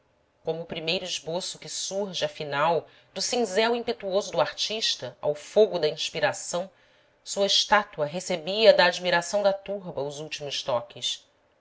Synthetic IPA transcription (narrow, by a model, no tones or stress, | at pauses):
kõmʊːpɾimejɾʊiʒbosʊkɪsuɾʒɪɐfinaw | d̪ʊsĩŋzɛwĩpet̪uozʊd̪ʊaɾt͡ʃiʃt̪ɐa̰wfoɡʊd̪ɐĩʃpiɾasɐ̃w̃ | suɐɪʃt̪at̪uɐɦesebiɐd̪ɐːd͡ʒmiɾasɐ̃w̃d̪ɐt̪uɾbɐʊzuwt͡ʃimʊʃt̪ɔkɪs